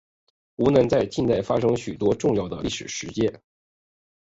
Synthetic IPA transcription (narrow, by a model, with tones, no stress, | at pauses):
u˧˥nɤ˧˥ŋt͡sa˥˧ɪt͡ɕi˥˧nt͡s̪a˥˩ɪfa˥ʂɤ˥ŋɕy˨˩t̪wɔ˥ʈ͡ʂʊ˥˧ŋjɑ˥˩ʊd̪ə̰˩li˥˩ʂɻ̩˨˩ʂɻ̩˧˥t͡ɕjɛ˥n